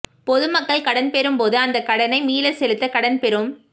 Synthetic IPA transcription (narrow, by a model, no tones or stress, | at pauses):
pɔðɯmɐkːɐɭkɐɽɐnpɛɾɯmpoːðɯɐnd̪ɐkːɐɽɐnɐɪmiːlɐsɛlɯt̪ːɐkɐɽɐnpɛɾɯm